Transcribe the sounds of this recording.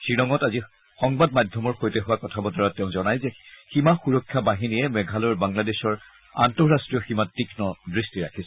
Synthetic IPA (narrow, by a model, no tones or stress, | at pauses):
sɹiɹɔŋɔtazi | xɔŋbadmadʱjɔmɔɹxojtɛɦʊwakɔtʰabɔtɔɹatːɛʊ̃zɔnajzɛximaxuɹɔkʰːjabaɦinijɛmɛɡʱalɔjɹbaŋladɛʃɔɹ | a̰ntɔɹastɹijɔximatːikʰnɔdɹistiɹa̰kʰisɔ̥